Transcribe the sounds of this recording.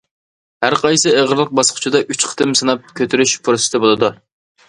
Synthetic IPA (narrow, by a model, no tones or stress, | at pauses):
hæɾqʰɑjsɨeʁəɾlˠəq̚bɑsqʰʊ̥t͡ʃʰid̪ɑʔyt͡ʃqʰə̥t̪ʰɨmsɨnɑp̚kʲʰøt̪ʰyɾyʃpʰuɾsɨ̥t̪ɨbolˠɨd̪u